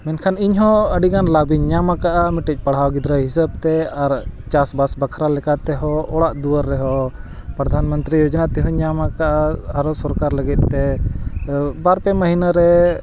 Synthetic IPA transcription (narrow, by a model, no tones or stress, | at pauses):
mɛnkʰaniɲɦɔ̃əɖiɡanlabiɲɲamakaʔamiʈɛc̚ˀpaɽ̤ɦawɡid̪ɾaɦisəb̚t̪ɛaɾt͡ʃasbasbəkʰɾalɛkat̪ɛɦɔɔɽaʔd̪uwəɾːɛɦɔ | pɾəd̪ʱanmənt̪ɾijɔd͡ʒnat̪ɛɦɔɲamakaʔaaɾɔsɔɾkaɾləɡit̪̚t̪ɛ | baɾpɛməɦinaɾɛ